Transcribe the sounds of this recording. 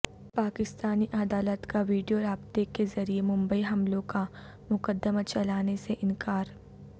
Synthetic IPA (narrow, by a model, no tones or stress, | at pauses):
paːkɪst̪aːniʔɐd̪aːlət̪kaʋiːɖijoɾaːbt̪ekezɐɾiemʊ̃mbəiɦɐmlõka | mʊkəd̪ːəmat͡ʃɐlaːneseʔɪ̃nkaːɾ